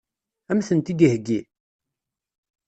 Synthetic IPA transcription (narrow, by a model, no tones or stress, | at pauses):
æmθənt̪id̪ihɡi